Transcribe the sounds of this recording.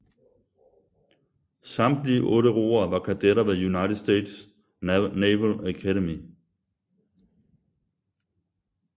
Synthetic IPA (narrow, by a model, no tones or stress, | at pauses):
sɑ̈md̥liəʔɔ̽ːɾəʁo̝̰ːɐʋɑ̈kʰæd̥eɾɐʋejunɑ̈ɪɾʰe̥sd̥ḛːd̥s | neʋəlækʰæɾemi